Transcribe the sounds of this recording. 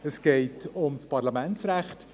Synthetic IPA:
əsɡ̥eɪtʰʊmspɑɾlamɛntt͡sɾæχt

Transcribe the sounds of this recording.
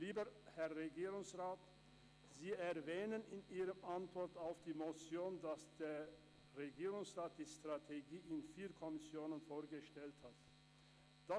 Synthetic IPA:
liːbəhɛɐʁeɡiːʁʊŋsʁaːt | z̥iːɛɐvɛːnənɪniːʁəmʔantv̥ɔɐtaʊfd̥iːmot͡sjoːndasd̥eːɐ | ʁeɡiːʁʊŋsʁaːt̚d̥iːstʁ̥atʰeɡiːɪnfiːɐkʰɔmɪsjoːnənfoːɐɡəʃtɛlthat | d̥a

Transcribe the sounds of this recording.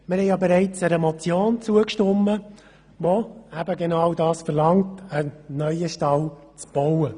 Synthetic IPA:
mɪɾhɛjjɑbeɾɛɪt͡səɾəmɔt͡sjoːnt͡suəkʃtʊmːə | ʋoæbəɡenɑwdɑːsfəɾlɑŋtənœʏəʃtɑl | t͡sb̥ɔwə

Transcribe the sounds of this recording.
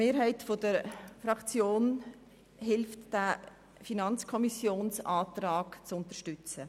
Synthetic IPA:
meːɾɦɛɪtfodəɾfɾɑkt͡sjoːn | hɪlftd̥æ | finɑnt͡skʰɔmisjoːnsaːtɾaːkt͡sʊntəʃtʏt͡sə

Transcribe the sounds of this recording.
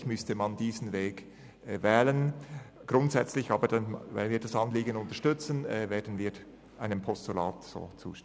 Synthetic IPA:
çmʏstəmɑndiːzn̩veːkː | vɛːlənɡ̥ɾʊntsɛt͡slɪçɑːbədvɛ̰nviːdɑsɑnliːɡənʊntəʃtʏt͡sənɛːveːdn̩viːɾ | ʔaɪnəmpʰɔstula̰ːtz̥o̰ːt͡sṵːʃt

